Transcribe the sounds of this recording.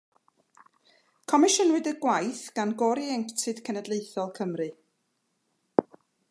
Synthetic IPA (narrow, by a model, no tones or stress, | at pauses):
kʰɔmɪʃənwɨdəɡwajθɡ̥anɡɔɾiɛŋktʰɨd̥kʰənədleɨθɔlˠkʰəmrɨ